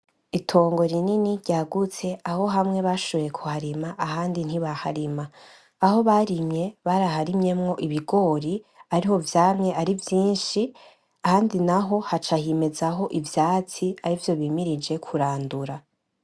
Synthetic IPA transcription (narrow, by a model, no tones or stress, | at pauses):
itʰo̞ːŋɡo̞ɾininiɾɟaːɡut͡se̞aho̞ɦamŋe̞βaʃoβejekʰuhaɾimaʔaɦaːndin̥hiβahaɾimaː | ho̞βaɾimɲe̞βaɾahaɾimɲe̞mŋo̞ʔiβiɡo̞ɾiaɾiho̞vjaːmɲe̞ʔaɾivjiːnʃi | ahaːndinaɦo̞hat͡ʃahime̞zaɦo̞ʔivjaːt͡siaɾivjo̞βimiɾid͡ʒe̞kʰuɾaːnduɾa